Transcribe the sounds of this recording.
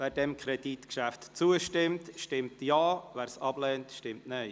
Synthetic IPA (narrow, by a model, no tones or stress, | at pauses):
væːɾdɛmkʰɾɛditkʃæftt͡suəʃtɪmtʃtɪmtjaːvæːɾsɑb̥lɛːntʃtɪmtnœɪ